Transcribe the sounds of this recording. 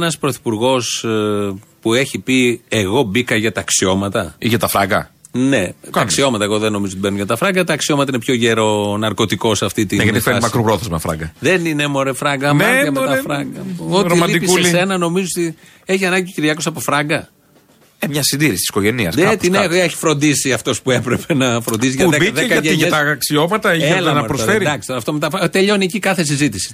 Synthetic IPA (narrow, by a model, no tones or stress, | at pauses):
nɐspɾoθi̥puɾɣo̞s | pueçipie̞ɣo̞bikɐʝɐt̪ɐksio̞mɐt̪ɐiʝɐt̪ɐfɾɐ̰ɡɐ̰ | ne̞t̪ɐksio̞mɐt̪ɐeɣo̞ðeno̞mizot̪ibenuʝɐt̪ɐfɾɐŋɡɐt̪ɐːksio̞mɐt̪ɐinepço̞ʝeɾo̞nɐɾko̞t̪iko̞sɐft̪it̪injɐt̪ifeɾmɐkɾupɾoθezmɐfɾɐ̰ŋɡɐðe̞nine̞mo̞ɾefɾɐɡɐmɐɐmet̪ɐfɾɐɡɐoiɐlid̪ipissesse̞nɐno̞mizoot̪i | eçiɐnɐɲɟit̪ociɾʝɐkosɐpofɾɐŋɡɐ | emɲɐsind̪iɾisi̥t̪isi̥ko̞ʝe̞niɐ̰set̪ineeçi̥fɾond̪isiɐft̪o̞spue̞pɾepe̞nɐfɾond̪isiʝɐebiðekɐɐʝɐt̪ɐksio̞mɐt̪ɐelɐnɐpɾoed̪ɐksi̥t̪oɾɐft̪omet̪ɐfɾɐt̪e̞ʎo̞niecikɐθe̞s̬izit̪isi̥